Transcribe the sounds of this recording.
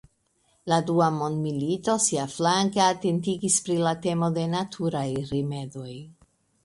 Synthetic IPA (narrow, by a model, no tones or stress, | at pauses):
laduamo̞ndmilito̞siaflaŋkeate̞ntiɡispɾilate̞mo̞de̞natʰuɾajɾime̞do̞j